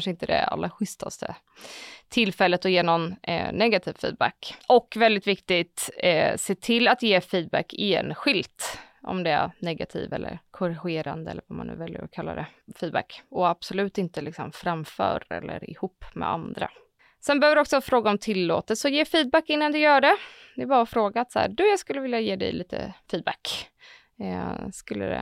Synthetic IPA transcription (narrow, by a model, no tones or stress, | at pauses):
nʂəɪnt̪əd̪ɛ̰a̰lːɾaɧʏst̪ʰast̪ʰə̰ | t̪ʰɪlfɛlːət̪ɔjeːnɔnnɛɡat̪ʰiːvfḭːd̪̚bækʔɔkːvɛld̪ɪt̪vɪkt̪ɪt̪seːt̪ʰɪlːat̪jeːfiːd̪̚bækːeːnɧɪlt̪ | ʔɔ̰md̪ɛæ̰ɾnɛɡat̪ʰḭːvɛ̰lːə̰ɾkʰɔɾɪɧeːɾand̪əɛlːəɾvamanʉ̟ːvɛljə̰ɾɔkʰalːa̰d̪ɛfiːd̪bæ̰kːɔab̥sɔlʉ̟ːt̪ɪnt̪əlɪksɔmfɾamfœ̰ːɾɛ̰lːəɾɪhuːpːmɛ̰a̰nd̪ɾa̰ | sɛnbɛœːvɪd̪ɔksɔɑːfɾoːɡaɔmt̪ʰɪlːo̰ːt̪əsɔjeːfiːd̪̚bækːɪnːand̪ɵjœːɖɛ | d̪ɛːbɑːɾaɔfɾoːɡaat̪sahæ̰d̪ʉjɑːɡskɵlːəvɪljajeːd̪ɛ̰jliːt̪ʰə̰fiːd̪bæk | skɵlːə̰d̪ɛ̰